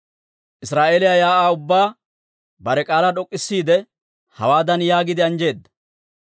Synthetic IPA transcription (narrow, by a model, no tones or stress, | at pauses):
ʔɪsɾaːʔeːlɪjajaːʔaːʊbːaː | bɐɾɛkʼaːlɐᶑɔkʼːɪsːiːd̪ɛ | hɐ̰waːd̪ɐnjaːɡɪd̪ɪɐnd͡ʒe̞ːd̪ːɐ̥